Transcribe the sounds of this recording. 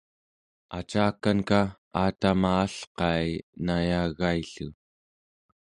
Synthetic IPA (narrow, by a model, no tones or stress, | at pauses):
at͡ʃaːkanka | aːt̪amaːɬqɑjnajaːɣaiɬṵ